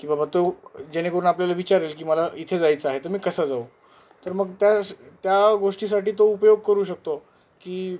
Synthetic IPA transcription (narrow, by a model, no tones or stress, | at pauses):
kĩʋbabat̪od͡ʑeñekəɾuːnapljalaʋit͡ɕaɾelkiːməlait̪ʰed͡zajt͡səaɦet̪əɾmiːkəsəd͡zau | t̪əɾməɡt̪jat̪jaɡoʂʈiːs̬aʈiːt̪oupəjoɡ̚kəɾuːɕək̚t̪o | kiː